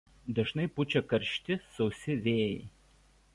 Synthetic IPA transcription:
d̪ɐʒnɐɪpʊt͡ʃʲɛkɐɾʲʃʲt̪ʲɪsɐʊsʲɪʋʲeːjɛ̰ɪ

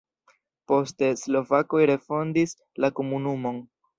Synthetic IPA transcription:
po̞ste̞slo̞vako̞jɾe̞fo̞ndis | lako̞munumo̞n

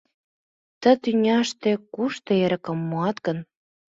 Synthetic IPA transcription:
t̪ə̆t̪ynʲɑʃt̪ĕkuʃt̪ŏeɾə̆kə̆mːuɑt̪ɡən

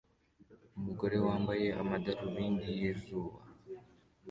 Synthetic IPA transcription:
umuɡo̞ɾe̞waːmbaje̞ʔamadaɾuβiːndijezuːβa

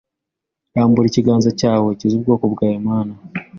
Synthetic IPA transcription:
jaːmbuɾiciɡaːnzacaːwe̞cizub̚ɡo̞ːkobɡaːjemaːna

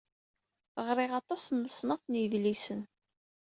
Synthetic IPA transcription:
ʁɾˤɪʁɑt̪ˤɑsnːəsˤnəqnjəðlisən

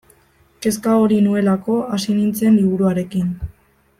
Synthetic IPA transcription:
ke̞skaoɾinue̞lako̞asinint͡senliβ̞uɾuaɾe̞kin

